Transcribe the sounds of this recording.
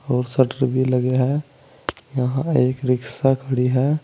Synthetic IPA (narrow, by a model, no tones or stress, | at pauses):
ɔːɾsəʈəɾbʱiləɡeɦɛ̃ | jəɦãeːkɾɪksakʰəɽiɦɛː